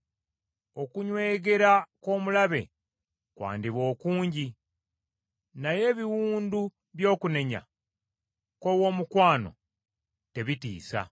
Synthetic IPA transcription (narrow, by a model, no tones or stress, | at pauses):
o̞kuɲwe̞ːɡe̞ɾako̞ːmulaβe̞̰ | kwa̰ːndiβo̞ːkuːɲɟi | naje̞ːβiwuːndu | βjo̞ːkune̞ɲa̰ | ko̞wo̞ːmukwaːno̞̰ | te̞βitḭːsa̰